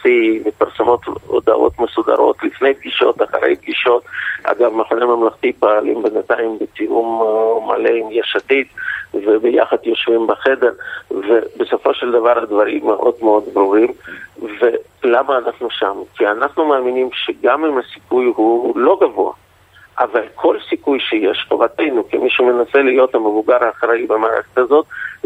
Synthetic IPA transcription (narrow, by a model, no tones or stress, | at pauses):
simepaʁsamo̞t̪o̰d̪a̰ʔo̞̰t̪mesud̪a̰ɾo̞̰t̪lifne̞jb̚ɡiʃo̞̰t̪aχa̰ɾḛjb̚ɡiʃo̞t̪ʔa̰ɡavmaχonejmamlaχt̪ipaalimbenat̪aimbet̪iʔumma̰lemjaʃat̪it̪vebeja̰χad̪jo̞ʃvimbeχe̞d̪e̞ʁvebeso̞fo̞ʃeld̪avaɾad̪vaɾimːeʔo̞̰d̪meo̞d̪bɾuʁimve̞ | lamaːnaχnuʃamkianaχnumaːminimʃeɡamimhasi̥kujɦulo̞ɡavo̰a̰ | ʔavalkʰo̞lsikujʃejeʃχo̰vat̪ejnukimiʃumenase̞lijo̞t̪hamevuɡaɾaːχɾaibemaːɾa̰χatazo̞t̪̚